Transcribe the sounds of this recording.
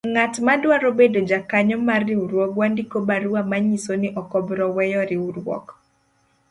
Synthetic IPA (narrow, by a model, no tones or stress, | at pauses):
ŋatmadwaɾobedod͡ʒakaɲɔmarːiuɾwɔkwandikobaɾuamaɲisonɪʔɔkɔbɾɔwɛjɔɾɪuɾwɔ̰k